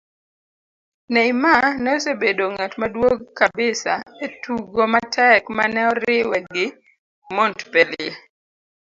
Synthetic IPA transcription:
nɛimanɛɔsebedoŋatmadwoɡkːabɪsa̰etuɡomatʰɛkmanɛɔɾɪwɛɡɪ | mɔntpɛle

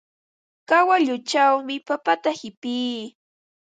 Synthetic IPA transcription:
kawaʎʊt͡ʃawmɪpapat̪ahɪpiː

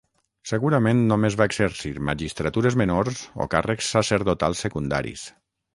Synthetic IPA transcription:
seɣuɾamenːomezβaeɡseɾsiɾma̰ʒist̪ɾat̪uɾezmenoɾzo̰karəksːaseɾðot̪alˠsːekund̪a̰ɾḭs

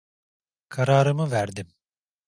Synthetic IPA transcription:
kʰaɾaːɾɯmɯvæɾd̪im

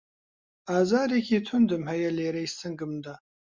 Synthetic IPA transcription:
aːzaːɾikʰʲitʰʊnd̪ɨmhajɐleːɾɐjstʰɨŋɡɨmd̪a

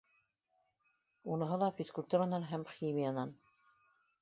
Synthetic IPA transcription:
unɤ̆ɦɤlˠɑfʲiskulʲt̪uɾanɑnɦæmximijanɑn

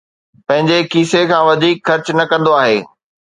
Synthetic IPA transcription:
pɐ̃ɦɪ̃ɲd͡ʑekiːsekʰãːʋɐd̪ʱiːkxɐɾt͡ɕnɐkɐ̃nd̪oaːɦḛː

